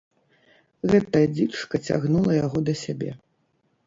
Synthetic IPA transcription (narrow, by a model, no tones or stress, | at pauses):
ɣɛt̪ɐjɐd͡zʲit͡ʂkɐt͡sʲa̰ɣnulˠɐjaɣɔd̪ɐsʲabʲɛ̰